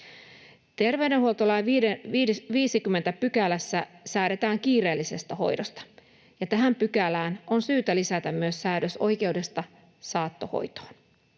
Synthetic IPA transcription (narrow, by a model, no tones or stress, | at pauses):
t̪e̞rʋe̞ydenɦuolt̪olɑj | ʋiːsikymːent̪æpykælæsːæsæːɾe̞t̪æːŋk̟iːre̞ːlːise̞st̪æho̞̰jdost̪ɑ̥ | jɑt̪æɦæmpykælæːnʔo̞nsyːt̪ælisæt̪æmmyøsːæːdøso̞̰jk̟e̞wde̞st̪ɑ | sɑːt̪ːo̞ho̰jt̪o̥ːn